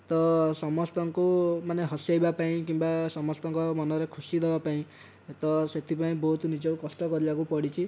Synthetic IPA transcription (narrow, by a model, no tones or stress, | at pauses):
t̪ɔsɔmɔst̪ɔŋkumaneɦɔsjajbapaĩkimbasɔmɔst̪ɔŋkɔmɔnɔɾekʰusid̪ebapaĩ | t̪ɔset̪ʰipaĩbɔɦut̪nid͡ʒɔwkɔsʈɔkɔɾibakupɔɽit͡ʃʰi